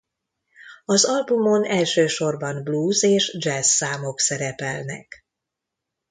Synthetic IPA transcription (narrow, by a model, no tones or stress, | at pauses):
ɒzɒlbumo̞nɛlʃøːʃo̞rbɒnbluːzeːʃd͡ʒɛsːaːmo̞ksɛɾɛpɛlnɛ̰k